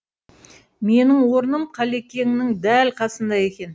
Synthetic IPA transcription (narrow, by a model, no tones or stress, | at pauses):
me̞nɪŋwo̞ɾnəmqʰɑle̞kʲe̞ŋnɪŋd̪ælqʰɑsənd̪ɑje̞kʲe̞n